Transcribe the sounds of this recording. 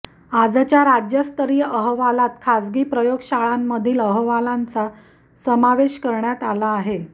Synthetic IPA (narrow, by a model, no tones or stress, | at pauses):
ad͡zt͡ɕjaɾad͡ʑjəst̪əɾjəʔəɦʋalat̪kʰad͡zɡiːpɾəjoɡɕaɭamːəd̪ʱiːləɦʋalant͡sa | səmaʋeɕkəɾɳjat̪alaːɦe